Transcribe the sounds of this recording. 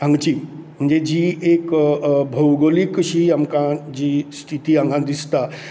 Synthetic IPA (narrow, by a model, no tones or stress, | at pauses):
ãŋɡt͡ɕiː | m̤əɳd͡zed͡ʑiːekbʱəwɡolikɕiːamkãd͡ʑiːst̪ʰit̪iãŋɡãd̪ist̪a